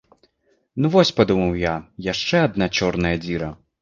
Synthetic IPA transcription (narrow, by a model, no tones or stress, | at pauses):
nuvɔsʲpad̪umɐwjajaʂt͡ʂɛad̪nat͡ʃɔrnɐjɐd͡zʲiɾɐ